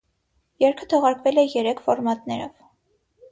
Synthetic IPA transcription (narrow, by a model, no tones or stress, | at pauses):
jɛɾkʰə̥t̪ʰɔʁɑɾkvɛlɛjɛɾɛkʰfɔɾmɑt̪nɛɾɔv